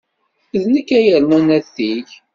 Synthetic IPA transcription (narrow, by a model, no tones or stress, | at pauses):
ðnəkːæjəlmænæθiç